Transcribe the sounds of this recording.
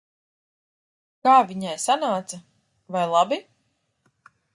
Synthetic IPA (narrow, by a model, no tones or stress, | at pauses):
kaːvʲiɲajsanaːt̪sa | vajlˠabi